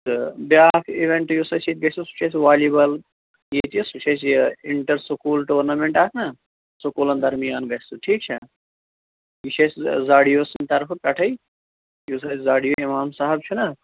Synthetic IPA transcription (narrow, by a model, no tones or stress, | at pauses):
t̪ɨbjaːfʰiʋeɳʈjusɐsit̪̚ɡɐst̪usu̥t͡ʃʰɐsʋaːlibɐl | jet̪ijesut͡ʃʰɐsjiɳʈɐɾsukuːlʈoːɾnɐmeɳʈaːk̪ʰnɐ | sokuːlɐnd̪ʱɐɾmijaːnɡɐst̪uʈʰiːk̚t͡ʃʰɐ | jut͡ʃʰɐszaːɽijoːsnt̪ɐɾpʰkɐʈʰɐj | jus̬ɐːszaːɽijoimaːmsaːɦɐb̚t͡ʃʰunɐ